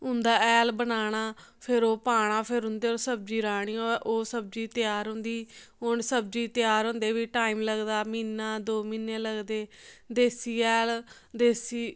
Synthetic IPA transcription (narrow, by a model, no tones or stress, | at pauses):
ɦʊ̃nd̪aːɛːlbənaːɽaː | pʰɪɾoːpaːɽ̃aːpʰɪɾɦʊ̃nd̪eːoːɾsəb̚d͡ʒiːɾaːɽ̃iːoʔoːsəb̚d͡ʒiːt̪ɪjaːɾɦʊ̃nd̪iːɦʊɳsəb̚d͡ʒiːt̪ɪjaːɾɦʊ̃ːnd̪eːʋiːʈaːiːmləɡd̪aːmiːnːaːd̪oːmiːnːẽːləɡd̪eːd̪eːsiːɛːl | d̪eːsiː